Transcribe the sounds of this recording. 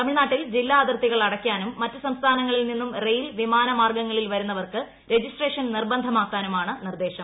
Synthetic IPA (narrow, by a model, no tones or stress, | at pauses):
t̪ɐmiɭnaːʈːild͡ʑilːaːd̪rt̪iɣɐɭɐɽɐkːjaːnumːɐtːɨsɐmst̪ʰaːnɐŋːɐɭilninːumrejilʋimaːnɐmaːrɡɐŋːɐɭilʋɐɾunːɐʋɐrkɨ | ɾe̞d͡ʑisʈre̞ːʂɐnnirbɐnd̪ʱɐmaːkːaːnumaːɳɨnird̪e̞ːɕɐm